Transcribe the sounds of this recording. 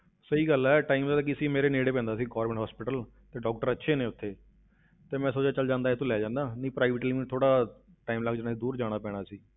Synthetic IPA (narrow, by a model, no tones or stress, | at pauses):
səiːɡəlɛːʈaːimsaːt̪aːkɪsiːmeːɾeːneːɽeːpɛ̃ːnd̪aːsiːɡɔːɾmɛ̃ːɳʈɦɔːspɪʈəl | t̪eːɖɔːk̚ʈəɾətːʃʰeːnẽːʊt̪ʰːeː | t̪eːmɛ̃ːsoːt͡ʃaːt͡ʃəld͡ʒãːnd̪aːet̪õːlɛːd͡ʒãːnd̪aːnəĩːpɾaːɪʋəʈlimĩt̪ʰoːɽaː | ʈaːimlaɡd͡ʒaːnaːid̪uːɾd͡ʒaːɽ̃aːpɛːɽ̃aːsiː